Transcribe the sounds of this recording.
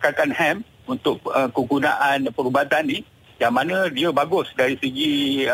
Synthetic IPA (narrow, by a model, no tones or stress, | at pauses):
kakanhɛm | unt̪ʊk̚əkəɡunaʔanpəɾubat̪anːi | jaŋmanə̃diəbaɡʊsdaɾisəɡi